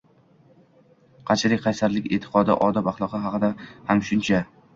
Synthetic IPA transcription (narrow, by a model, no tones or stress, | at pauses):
qʰɑt͡ʃʰlɪk̚ʲqʰɑjsaɾlɪkʲe̞̰t̪ʰːɪ̥qʰɒd̪ɪ̰ʔɒd̪ɒpaχlˠɒqʰɨɦɑqɨd̪ahamʃʊnt͡ʃʰa